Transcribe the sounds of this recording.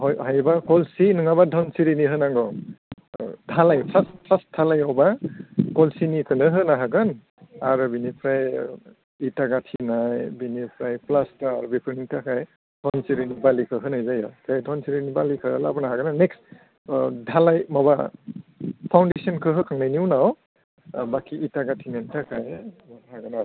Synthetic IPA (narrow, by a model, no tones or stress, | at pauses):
hɔjhajbakɔlsinɯŋaβadʱɔnsiɾiniɦɯnaŋɡɔ | dʱalajpʰastpʰasdʰalajɔwbakɔlsinikʰɯnɯɦɯnaɦaɡɯn | aɾɯbinipʰɾaj | itaɡatʰinajbinipʰɾajplastaaɾbipʰɾitʰakʰaj | dʰɔnsiɾinibalikʰɯɦɯnajzajakʰajdʰʱɔnsiɾinibalikʰɯlabanaɦaɡɯnaneks | dʱalajmaba | pʰawndesɔnkʰɯɦɯkʰaŋnajniwnaw | bakʰiitaɡatʰinantʰakʰajmanaɦaɡana